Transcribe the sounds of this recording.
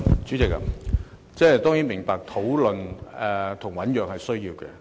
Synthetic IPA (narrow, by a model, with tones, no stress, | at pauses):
t͡ʃy˨˥t͡sɪ˨k̚a̰˧ | t͡sɛː˥˩˨jt̪ɔː˥ŋji˨˥nmɪ˨˩ŋpaː˨k̚t̪ʰo˨˥wlɵ˨nɛ˨t̪ʰʊ˨˩ŋwɐ˨˥njœː˨ŋhɐ˨jsɵ˥ɥjiː˧wkɛ̰˧